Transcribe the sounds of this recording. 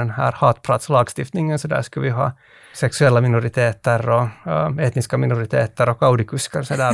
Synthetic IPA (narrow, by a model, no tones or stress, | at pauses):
ɛnhæ̰ːɾhɑːt̪pʰɾɑt̪slɑːɡst̪ɪft̪nɪŋːənsɔd̪æ̰ːʂkavɪɦɑ̰ː | sɛksʉɛlːamɪnʊɾɪt̪ʰeːt̪əɾɔeːt̪nɪskamɪnʊɾɪt̪ʰeːt̪əɾɔkɑʊd̪ɪkʰɵskɑɾsɔd̪æː